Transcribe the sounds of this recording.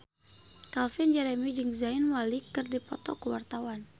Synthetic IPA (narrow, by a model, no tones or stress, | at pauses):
kalfind͡ʒɛɾɛmid͡ʒɨŋzainwalikɨrdipɔ̰t̪ɔkəwart̪awan